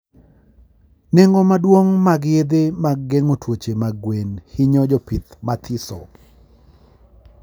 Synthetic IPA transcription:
neŋɡɔmadwoŋmaɡjed̪emaɡːeŋotwot͡ʃemaɡwenhiɲɔd͡ʒɔpit̪mat̪ʰisɔ̰

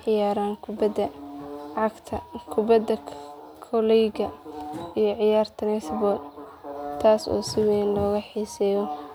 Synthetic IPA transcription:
ʕɪjaːɾaːŋkʰbd̪ɐ | ɑɡt̪ʰɐkʰʊbɐd̪ɐ | kʰɔlɛjɡɐijɔʕɪjaːrt̪ʰɐnɛsbɔːl | t̪ʰaːsɔ̰ːsɪwɛnlɔːɣɐħiːsɛːjɔ

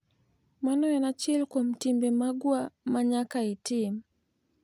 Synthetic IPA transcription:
manɔjanat͡ʃilkam̩timbɛmaɡwamaɲakaitim

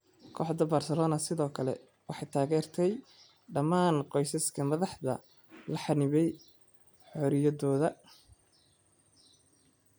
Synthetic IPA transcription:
kʰɔħd̪ɐbarsɛlɔːnɐsɪðɔːkʰɐlɛ̰ | wɑħɑjt̪ʰaːɣɛːrt̪ʰɛj | ɖɐmaːnqɔjsɐskʰɐmɐðɑħðɐ̰ | lɐħɑnɪβɛj | ħɔɾɪjɐðɔːðɐ

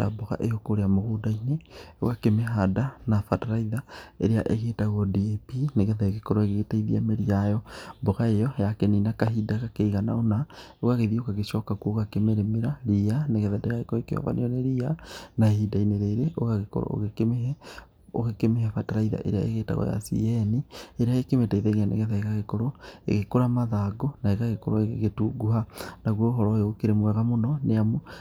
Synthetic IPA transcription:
a̰bɔɣa̰ʔejokoɾeamoɣudaineo̰ɣakemeɦadanafataɾaiðaeɾea̰ʔeɣeːtaɣɔdiepineɣɛðaeɣekɔɾɔeɣetaiðiameɾiajɔbɔɣaejɔjakeninakaɦidaɣakeiɣana̰onaoɣaɣeðioɣaɣeʃɔkakoɣakemeɾemeɾaɾianeɣɛðɛdɛɣaekɔekeɔ̰va̰nḛjɔneɾianaehidaineɾeːɾeʔoɣaɣeko̰ɾ̰o̰ɣekemehɛ | o̰ɣekemeɦɛfataɾaiða̰ʔḛɾea̰ḛɣeːta̰ɣɔ̰ja̰sḭɛnieɾeaekemetaiðeŋanḛɣɛðaeɣaɣekoɾoḛɣekoɾamaðaɡonaeɣaɣekɔɾoeɣeɣetuɡuɦanaɣwoɦɔɾɔjoːkeɾemwɛɣamonɔneamo

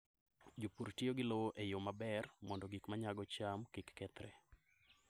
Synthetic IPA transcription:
d͡ʒopuɾtioɡɪlowoʔejomabɛrmɔndɔɡikmaɲaɡɔt͡ʃamkikːɛt̪ɾɛ̰

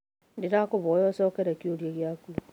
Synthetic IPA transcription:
ndiɾakuβoːjosoːkeɾekjuljeɣjakulu

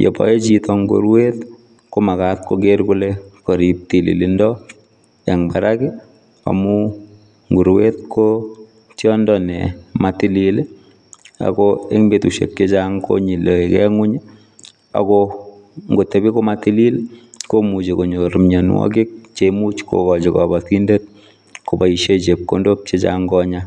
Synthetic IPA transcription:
jo̰pɔ̰jet͡ʃitɔŋɡo̰ɾwet | komakat̪̚kokeɾkulekoɾip̚tilḭlindɔ | ɛŋbaɾakɛ | a̰mu | ŋɡuɾwet̚kʰo | tjɔndɔnɛ̰matilil | a̰kɔeŋbetuʃḛk̚ket͡ʃaŋko̰ɲiloekɛŋuɲ | a̰kɔ | ŋɡotːebikomatililkomut͡ʃekoɲoɾumɲanwɔ̰kik̚t͡ʃemut͡ʃko̰kɔd͡ʒikabatindet̚ | kobaiʃet͡ʃep̚kondop̚t͡ʃet͡ʃa̰ŋɡɔɲa

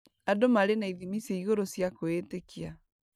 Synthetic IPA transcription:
adomaɾenaiðimiseiɣoɾosjakoetekia

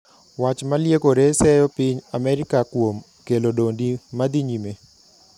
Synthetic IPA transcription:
wat͡ʃmaljekoɾesɛjɔpiɲamɛɾɪkakwom | kelodondimad̪iɲime

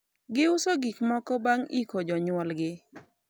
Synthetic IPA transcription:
ɡɪʊsoɡikmɔkɔbaŋḭkod͡ʒɔɲwɔlɡɪ

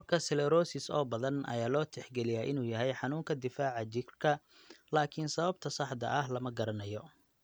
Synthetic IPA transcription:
ɐrkʰɐsɛlɛɾɔːsɪsɔ̰ːbɐðɐnʔɐ̰jaːlɔːt̪ʰɛħɡɛlɪjaːʔɪnuːjɐɦɛjħɑnuːŋkʰɐd̪ɪfaːʕɑt͡ʃɪkrkʰɐ | laːkʰɪnsɐβɐb̚t̪ʰɐsɑħd̪ɐ̰ʔɐɦlɐmɐɡɐɾɐnɐjɔ

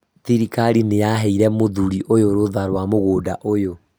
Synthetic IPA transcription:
θiɾikaɾinejaɦɛiɾɛmoðuɾiʔojoɾoðaɾwamoɣoːdaʔojo

